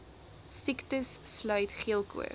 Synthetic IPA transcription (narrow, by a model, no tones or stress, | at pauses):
siktəsːlœɥtχiəlˠkʰṵə̰